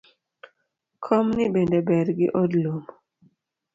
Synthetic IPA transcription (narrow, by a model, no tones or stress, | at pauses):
kʰɔmnibendɛbɛɾɡḭʔɔdlum